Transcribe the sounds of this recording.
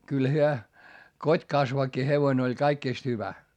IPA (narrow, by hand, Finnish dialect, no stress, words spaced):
kyl hyø kotʲkɑsʋɑkːi heʋoĭn olʲ kɑikːiˑst hyʋæ